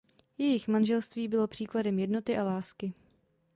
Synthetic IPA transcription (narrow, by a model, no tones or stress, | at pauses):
jɛjɪxmanʒɛlst̪viːbɪlo̞pr̝̥iːkladɛmjɛdno̞t̪ɪʔalaːskɪ